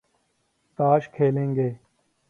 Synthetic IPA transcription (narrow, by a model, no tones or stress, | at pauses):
t̪aːʃkʰeːlẽːŋɡeː